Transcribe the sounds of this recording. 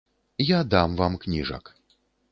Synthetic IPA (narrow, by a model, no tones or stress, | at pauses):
jad̪amvamknʲiʐɐ̰k